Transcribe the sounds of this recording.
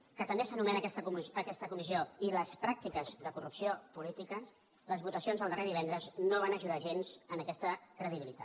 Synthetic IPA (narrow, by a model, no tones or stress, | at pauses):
kət̪əmbesənumɛnəɛst̪əkɛst̪əkumizioiləspɾak̚t̪ikəzðəkurupsiopulit̪ikə | ləzβut̪əsionzðəlˠd̪ərʔeðiβɛnd̪ɾəznoβ̞anəʒuðaʒenzənəkɛst̪əkɾəðiβilit̪a̰